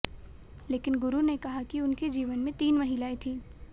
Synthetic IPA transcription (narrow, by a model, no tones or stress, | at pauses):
leːkɪnɡʊɾunekɐɦakiʊnked͡ʒiːʋənmẽt̪iːnmɐɦɪlaːet̪ʰĩː